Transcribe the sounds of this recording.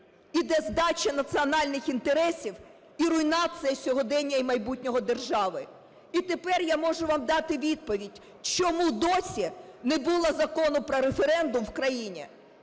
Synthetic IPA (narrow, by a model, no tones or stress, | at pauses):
id̪ɛzd̪ɑt͡ʃʲɐnɐt̪sɨɔnɑlʲnɪxint̪eɾɛsʲiw | iɾʊjnɑt̪sɨjɐsʲɔɦɔd̪ɛnʲːɐimɐjbutʲnʲɔɦɔd̪e̞rʒɑʋɪ | it̪epɛrjamɔʒʊʋɑmd̪ɑt̪ɪʋʲid̪̚pɔʋʲidʲ | t͡ʃɔmud̪ɔsʲinɛbulˠɐzɐkɔnʊpɾɔɾefeɾɛnd̪ʊmwkɾɐjinʲḭ